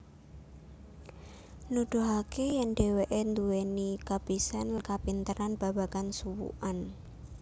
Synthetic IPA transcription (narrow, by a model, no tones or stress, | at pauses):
nud̪̥uɦakejanɖeweʔend̪uwenikab̥isankapint̪əɾanb̥a̤bakansuwṵʔan